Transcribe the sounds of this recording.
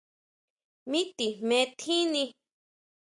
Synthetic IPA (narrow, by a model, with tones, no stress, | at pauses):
mĩ˦t̪i˨mẽ˧t̪ʰĩ˦nĩ˧